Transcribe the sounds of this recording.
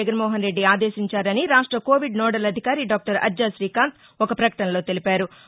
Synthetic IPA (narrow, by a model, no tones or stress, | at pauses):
ɡɐnmɔːɦɐnɾe̞ɖːiaːd̪eːʃiɲt͡ʃaːɾɐniɾaːʂʈɾɐkoːʋiɖnɔːɽɐlɐd̪ʱikaːɾiɖaːk̚ʈɐɾɐ̰d͡ʒd͡ʒaːʃɾiːkaːnt̪ | ɔkɐpɾɐkɐ̥ʈɐnɐlo̞ːt̪e̞lipaːɾu